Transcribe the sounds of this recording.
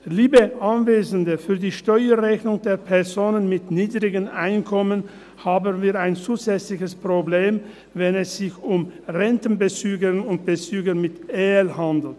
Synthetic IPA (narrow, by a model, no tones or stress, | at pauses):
liːbəʔanveːzən̩dəfyːɐdiːʃtɔʏəʁɛçnʊŋdeːɐpʰɛɐzoːnənmɪtniːdʁɪɡənʔaɪnkʰɔmən | haːbənviːɐaɪnt͡suːzɛt͡slɪçəspʁ̥obleːm | vɛnɛsz̥ɪçʊmʁɛntn̩bət͡syːɡənʊnt̚b̥ət͡syːɡəmɪtʔeːlhandl̩t